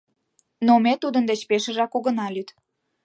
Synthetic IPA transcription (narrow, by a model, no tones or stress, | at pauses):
nomet̪ud̪ənd̪et͡ɕpeʃə̆ʒɑkoɣənɑlyt̪